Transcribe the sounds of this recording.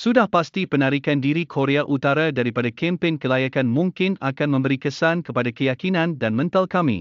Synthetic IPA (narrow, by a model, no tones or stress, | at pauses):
sudahpast̪ipənaɾikandiɾikʰoɾeaʔut̪aɾadaɾipadakʰɛ̃mpɪnkəlajakanmũŋkɪnakanmə̃mbəɾikəsankəpadakəjakinãndanmə̃nt̪alkamḭ̃